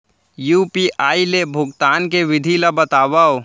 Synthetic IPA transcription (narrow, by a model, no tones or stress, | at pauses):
juːpiʔaːilebʱʊɡt̪aːnkeʋɪd̪ʱilabɐt̪aːʋaːo